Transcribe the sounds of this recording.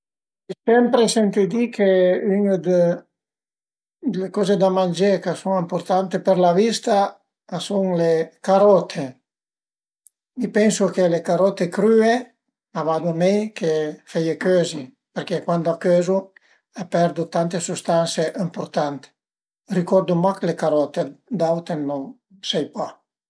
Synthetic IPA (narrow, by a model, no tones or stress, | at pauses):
sɛmpɾesɛnt̪ed̪ikʰeyŋd̪e | d̪elekɔzed̪amand͡ʒekasuŋimpoɾt̪ant̪epeɾlavist̪a | asuŋlekaɾɔt̪ʰe | mipɛnsukelekaɾɔt̪ekɾye | avad̪umejkʰefejekøzi | peɾkekwand̪akøzu | apɛɾd̪ut̪ant̪esust̪anseʔimpoɾt̪ant̪e̥ | rikɔɾd̪umaklekaɾɔt̪ed̪awt̪enoŋ | sɛjpa